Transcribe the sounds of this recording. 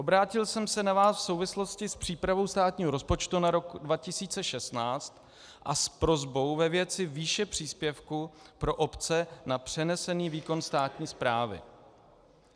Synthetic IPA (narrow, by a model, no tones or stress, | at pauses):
ʔobɾaːcɪlsɛmsɛnavaːsfso̞wvɪslo̞scɪspr̝̥iːpɾavo̞wst̪aːt̪ɲiːɦoɾo̞spo̞t͡ʃt̪unaɾo̞kdvacɪsiːt͡sɛʃɛst̪naːt͡st̪ | ʔaspɾo̞zbo̞wvɛvjɛt͡sɪviːʃɛpr̝̥iːspjɛfkupɾo̞ʔo̞pt͡sɛnapr̝̥ɛnɛsɛniːviːko̞nst̪aːt̪ɲiːspɾaːvɪ̰